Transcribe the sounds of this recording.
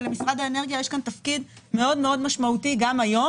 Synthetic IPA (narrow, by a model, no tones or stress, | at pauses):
lemisʁad̪aeneʁɡjajeʃkant̪afkid̪ | me̞o̞d̪me̞o̞d̪maʃmaut̪iɡamajo̞